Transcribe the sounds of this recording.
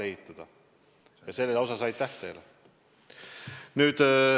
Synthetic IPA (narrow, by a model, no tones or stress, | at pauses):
ehit̪ːˑɑd̪̥ɑ | jɑse̞lːelo̞sɑsɑjd̥̪t̪ːæht̪ejle | nyːd̪̥